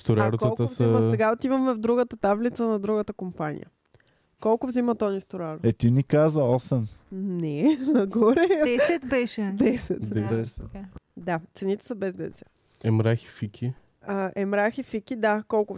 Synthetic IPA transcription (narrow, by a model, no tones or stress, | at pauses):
st̪oɾaɾokt̪ˠt̪əvsɐməsɛɡaot̪ivəmɛvd̪ɾuɡət̪ət̪avlit̪sənɐd̪ɾuɡət̪əkompanḭjə̰ | kɔlˠkʊvzimɐt̪ɔnist̪oɾaɾoɛt̪inikazəɔsɛmnɛnɐɡɔɾɛɛsɛt̪bɛʃɛd̪ɛsɛt̪d̪ɛɛsɛt̪d̪at̪sɛnit̪ɛ̥səbɛzd̪ɛ̰ɛsɛ | ɛmɾaxi̥fikʰʲi | əʔɛmɾaxifikid̪akɔlˠkʊ